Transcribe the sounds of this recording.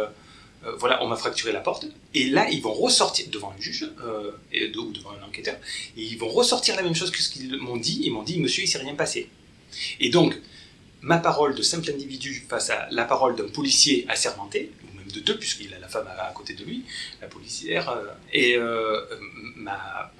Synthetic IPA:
øvwala̰ʔɔ̰̃mafχak̚t̪yʁelapɔʁt̪ | elailvɔ̃ʁəsɔʁt̪iʁd̪əvɑ̃ɛ̃ʒyʒø̰d̪ud̪əvɑ̃ɛ̃nɑ̃kɛt̪œʁeilvɔ̃ʁəsɔʁt̪iʁlamɛmʃozkə̥sə̥kilmɔ̃d̪iemɔ̃d̪iməsjøisɛʁjɛ̃pase | ed̪ɔ̃k | mapaʁɔld̪əsɛ̃plɛ̃d̪ivid̪yfasa̰lapaʁɔld̪ɛ̃pɔlisjeasɛʁmɑ̃t̪eumɛmd̪əd̪øpɥiskilalafama̰ːkot̪ed̪əlɥilapɔlisjɛʁøeø | ma

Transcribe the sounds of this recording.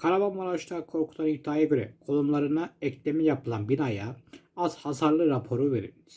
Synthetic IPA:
kʰaɾavamaɾˠaʃt̪ˠaːkʰo̞ɾkʰu̥d̪anihd̪aːjaɟø̞ɾɛ̰kʰo̞lˠumlˠaɾɯnaɛclʲemijapɯlˠanbinajaaz̥hasaɾlˠɯɾapʰo̞ɾuveɾḭli̥

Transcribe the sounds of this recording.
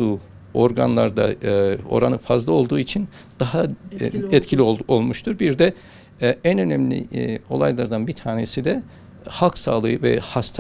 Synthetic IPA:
uː | o̞ɾɡanlˠaɾd̪a̰o̞̰ɾanɯfazlˠɯo̞lˠd̪uːit͡ʃʰin | d̪̥aɦa | ɛt̪cʰilʲio̞lˠmuʃt̪ʰuɾbiɾd̪ɛ | ænø̞nɛmlʲḭo̞̰lˠajlˠaɾd̪anbit̪ʰaːnesid̪ɛ | halˠksa̰ːlˠɯjɯvɛ̰hast̪ʰ

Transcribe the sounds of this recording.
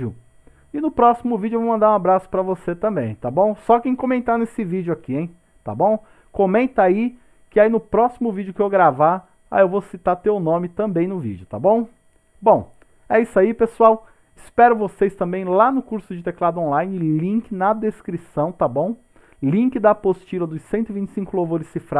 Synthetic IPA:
ʊ | ɪnʊpɾɔsimʊvid͡ʒʊevowmɐ̃nd̪aɾũabɾasʊ̥pɾɐvoset̪ɐ̃mbḛ̃j̃t̪abõw̃sɔkẽj̃kõmẽnt̪anesɪvid͡ʒʊakiẽj̃ | t̪a̰bõw̃ | kõmẽnt̪ɐai | kɪainʊpɾɔsimʊvid͡ʒʊkɪewɡɾava | a̰ewvosit̪aɾt̪ewnõmɪt̪ɐ̃mbẽj̃nʊvḭd͡ʒʊt̪a̰bõw̃ | bõw̃ | ɛisaipesuaw | ɪspɛɾʊvosest̪ɐ̃mbẽj̃lanʊkuɾsʊd͡ʒɪt̪eklad̪ʊõlajnɪlĩŋkɪnɐd̪eskɾisɐ̃w̃t̪abõw̃ | lĩkɪd̪ɐpost͡ʃilɐd̪ʊssẽnt̪ʊivĩnt͡ʃɪsĩŋkʊlowvoɾɪssifɾa

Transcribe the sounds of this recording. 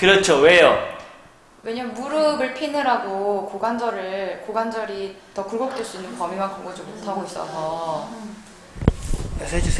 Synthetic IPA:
kɯɾʌt͡ɕʰowe̞jo | we̞ɲanmuɾɯɡɯɭpʰinɯɾaɡokoɡand͡ʑʌɾɯɭɭkoɡand͡ʑʌɾi | tʌkuɭɡok̚t͈weɭs͈uinːɯnpʌmimankoɡʌd͡ʑimotʰaɡois͈ʌ̰sʰʌ | sʰed͡ʑu

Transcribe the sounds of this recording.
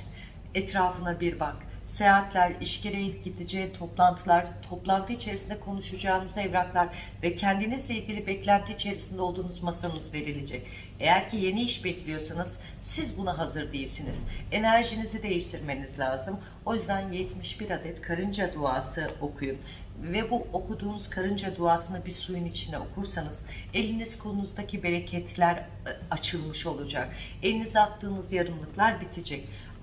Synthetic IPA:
ɛt̪ɾaːfɯnabiɾbak | seat̪lʲæɾiʃceɾejiɟid̪id͡ʒɛt̪ʰo̞plˠant̪ʰɯlˠaɾ̥t̪ʰo̞plˠant̪ʰɯit͡ʃʰe̞ɾisind̪ɛkʰo̞nuʃud͡ʒaːɯnɯzaɛvɾaklˠaɾ | vɛcʰænd̪inizlʲeilʲɟʲilʲibɛclʲænt̪ʰiit͡ʃʰe̞ɾisind̪ɛo̞lˠd̪uːnuzmasanɯzve̞ɾilʲe̞d͡ʒɛc | e̞jæɾcʰije̞niiʃbɛclʲijo̞sanɯz̥ | sizbunaɦazɯɾd̪ejilʲsiniz̥e̞næɾʒinizid̪e̞jiʃt̪ʰiɾme̞nizlʲaːzɯm | o̞jyzd̪ænjɛt̪miʃbiɾad̪ɛt̪kʰaɾɯnd͡ʒad̪uaːsɯo̞kʰujun | vɛbuo̞kʰud̪uːnuz̥kʰaɾɯnd͡ʒad̪uaːsɯnɯbiɾsujunit͡ʃʰind̪ɛokʰuɾsanɯz̥e̞lʲiniz̥kʰo̞nunuzd̪acʰibe̞ɾecʰɛt̪ʰlʲæɾ | at͡ʃʰɯlˠmɯʃo̞lˠud͡ʒak | elʲinizat̪ʰːɯːnɯzjaɾɯmlˠɯklˠaɾbit̪ʰid͡ʒɛc̚

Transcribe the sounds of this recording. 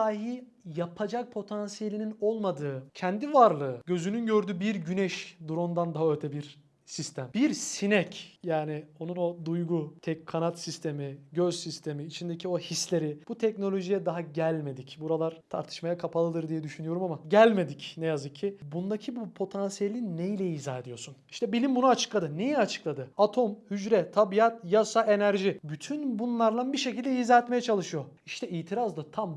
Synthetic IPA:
aːɦi | japʰad͡ʒak̚pʰo̞t̪ʰansije̞lʲinino̞lˠmad̪ɯːcʰɛnd̪ivaɾlˠɯːɟø̞zynynɟø̞ɾd̪yːbiɾɟynɛʃd̪uɾond̪and̪aɦaølʲt̪ʰɛbiɾ | sist̪ʰæmbiɾssinɛcjaːnio̞nuno̞d̪ujɡut̪ʰɛckʰːanat̪sist̪ʰe̞miɟøzsist̪ʰe̞miːt͡ʃʰind̪ecʰio̞hislʲe̞ɾib̥ut̪ʰɛcno̞lʲo̞ʒijɛd̪aɦaɟælʲme̞d̪icbuɾalˠaɾ̥t̪ʰa̰ɾt̪ʰɯ̥ʃmajakʰapʰalˠɯd̪ˠɯɾd̪ijɛd̪yʃynyjo̞ɾumamaɟælʲme̞d̪icnejazɯkcʰːibund̪acʰibupʰo̞t̪ʰansijelʲinːejlʲɛiːzaːed̪ijo̞suniʃt̪ʰɛbilʲimbunuat͡ʃʰɯ̥klˠad̪ɯnejɛat͡ʃʰɯ̥klˠad̪ɯat̪ʰo̞mhyd͡ʒɾɛt̪ʰabijat̪jasaʔe̞næɾʒibyt̪ʰynbunlˠaɾlˠanbiʃecilʲd̪ɛiːzaːet̪me̞jɛt͡ʃʰalˠɯʃɯjo̞iʃt̪ʰɛiːt̪ʰiɾazd̪at̪ʰam

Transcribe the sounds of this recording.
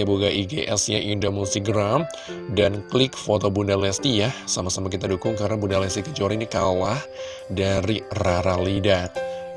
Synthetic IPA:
abuɡaʔiɡeʔɛsjaʔindomusiɡɾam | danklɪk̚fot̪obundalɛst̪ijahsamasamak̬it̪adukʊŋkaɾənabundalɛst̪ikəd͡ʒoɾinikalah | daɾiraɾalida

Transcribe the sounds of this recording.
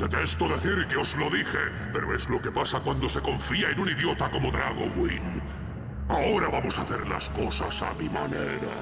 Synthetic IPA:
d̪et̪est̪oðe̞θiɾkeo̞zlo̞ðixe̞ | pe̞ɾoe̞zlo̞kepasakwand̪o̞se̞ko̞ɱfiae̞nuniðjo̞t̪ako̞mo̞ðɾaɣ̞o̰ɣwin | ao̞ɾaβamo̞saθe̞ɾla̰sko̞sa̰sa̰mima̰nḛɾa̰

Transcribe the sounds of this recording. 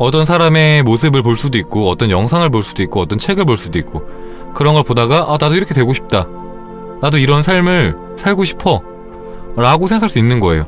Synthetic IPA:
ʌt͈ʌnsʰaɾame̞mosʰɯbɯɭpoɭs͈udoik̚k͈oʌt͈ʌnjʌŋsʰaŋɯɭpoɭs͈udoik͈oʌt͈ʌnt͡ɕʰe̞ɡɯɭp̬oɭs͈udoik͈̚o | kɯɾʌnɡʌɭpodaɡaʔanadoiɾʌkʰe̞twe̞ɡoɕʰi̥p̚t͈a | nadoiɾʌnsʰaɭmɯɭ | sʰaɭɡoɕʰi̥pʰʌ | ɾaɡosʰeŋɡakʰaɭs͈uinːɯnɡʌe̞̰jo̰

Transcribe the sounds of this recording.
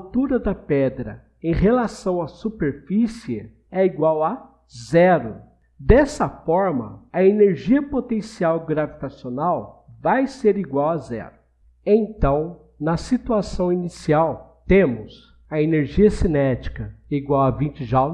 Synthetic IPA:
t̪uɾɐd̪ɐpɛd̪ɾɐ̰ | ẽj̃ɦelasɐ̃w̃asupeɾfisiɪ̰ | ɛiɡwawɐ | zɛɾʊ | d̪ɛsɐfɔɾmɐ̰ɐeneɾʒiɐpot̪ẽsiawɡɾavit̪asionawvajseɾiɡwawɐzɛ̰ɾʊ | ẽt̪ɐ̃w̃ | nɐsit̪uasɐ̃w̃inisiawt̪ẽmʊz | ɐeneɾʒiɐsinɛt͡ʃi̥kɐiɡwawɐvĩt͡ʃɪʒa

